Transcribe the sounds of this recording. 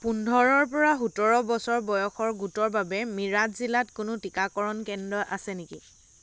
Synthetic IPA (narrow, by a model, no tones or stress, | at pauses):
pundʱɔɹɔɹpɔɹaɦutɔɹɔbɔsɔɹbɔjɔxɔɹɡutɔɹbabɛmiɹatzilatkʊnʊtikakɔɹɔnkɛndɹɔʔasɛniki